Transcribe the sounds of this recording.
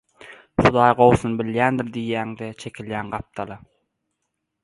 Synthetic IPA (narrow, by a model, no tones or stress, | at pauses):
χud̪ɑːjɢo̞wθunbiljæːnd̪iɾd̪ijːæːŋd̪et͡ʃʰe̞kʲʰiljæːnɢɑp̚t̪ʰɑlˠɑ